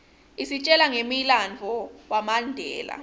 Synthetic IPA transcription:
isit͡ʃʼɛlaŋemiland͡vʱɔwamandʱɛ̰ːla̰

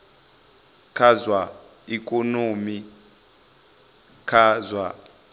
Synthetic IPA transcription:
kʰazwa | ikʼonomi | kʰazwa

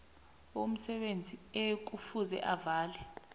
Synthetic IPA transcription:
um̩sɛɓend͡zʱiek̬ufuzɛ̰ʔavaːlɛ

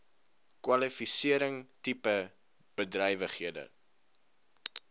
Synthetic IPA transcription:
kwɐlifisiəɾəŋtipə | b̥ədrɛjvəχhiədə̰

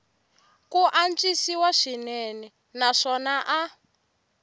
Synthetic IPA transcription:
kuʔant͡ʃʼisiwaʂinɛnɛ | naʂɔnaʔa

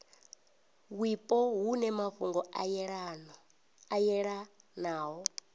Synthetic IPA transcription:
wipʼɔɦunɛmaɸuŋɡɔɺn | ajɛɺanaːɦɔ

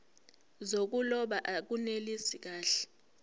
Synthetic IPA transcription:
zok̬ulɔɓaʔak̬unelisik̬aːɬɛ̥

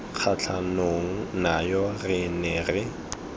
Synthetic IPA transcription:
q͡χʰat͡ɬʰanoŋ̩najɔrɪnɛrɪ

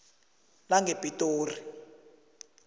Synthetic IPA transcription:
laŋɡepʼitʼoːri

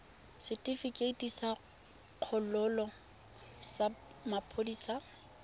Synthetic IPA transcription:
sɪtʼifikʼetʼisa | q͡χʰɔlʊlɔ | sa | mapʰodiːsa

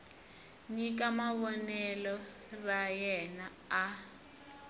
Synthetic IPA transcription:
ɲik̬ʼamaβɔnɛlɔ | rajɛnaː

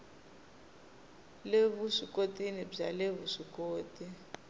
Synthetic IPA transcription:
leβuʂikʼotʼinib͡ʐa̰leβuʂikʼoːtʼi

